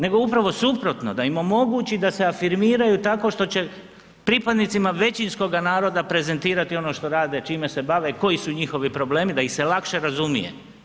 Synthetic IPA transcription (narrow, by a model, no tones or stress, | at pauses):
ne̞ɡo̞upɾaʋo̞supɾo̞t̪no̞d̪aimo̞mo̞ɡuːt͡ɕid̪ase̞afiɾmiːɾajut̪ako̞ʃt̪o̞t͡ɕe̞ | pɾipad̪nit̪simaʋe̞t͡ɕinsko̞ɡanaːɾo̞d̪apɾe̞ze̞nt̪iːɾat̪io̞noʃt̪o̞ɾaːd̪e̞t͡ʃiːme̞se̞baʋe̞ko̞jisuɲixo̞ʋipɾo̞ble̞ːmid̪aixse̞lakʃe̞ɾazumije̞̰